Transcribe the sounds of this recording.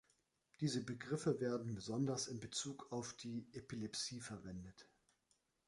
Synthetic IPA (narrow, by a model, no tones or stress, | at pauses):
d̥iːzəbəɡʁɪfəveːɐdn̩bəzɔndɐsɪmbət͡suːkʰaʊfd̥iːʔepilɛpsiːfɛɐvɛndət